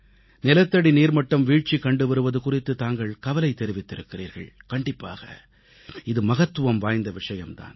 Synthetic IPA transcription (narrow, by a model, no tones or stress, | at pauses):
nɪlɐt̪ːɐɽiniːɾmɐʈːɐmʋiːʈ̚t͡ʃikːɐɳɖɯʋɐɾɯʋɐðɯkʊrɪt̪ːɯt̪aːŋɡɐɭkɐʋɐlɐɪt̪ːɛɾɪʋɪt̪ːɪɾɯkːɪrḭːɾɣɐ̰ɭkɐɳɖɪpːa̰ːɣɐ̰ | ɪðɯmɐɣɐt̪ːɯʋɐmʋaːjnd̪ɐʋɪʂɐjɐmt̪a̰ːn